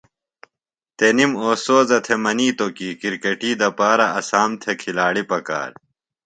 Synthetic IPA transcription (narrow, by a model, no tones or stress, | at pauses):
t̪enimoːsoːzɐt̪ʰemɐniːt̪okiːkiɾkɐʈiːd̪ɐpaːɾɐɐsaːmt̪ʰekʰilaːɽipɐka̰ːɾ